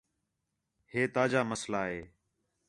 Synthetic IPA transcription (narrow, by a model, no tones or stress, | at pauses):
heːt̪aːd͡ʒaːməslaːɦeː